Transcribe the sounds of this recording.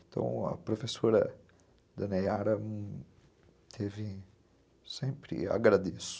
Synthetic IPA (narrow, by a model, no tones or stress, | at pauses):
ẽt̪ʰɐ̰̃w̃ɐ̰pɾofesoɾɐ̰ | d̪ɐnɛjaɾɐ̃ | t̪ʰevɪ | sẽmpɾɪa̰ɡɾad̪esʊ̥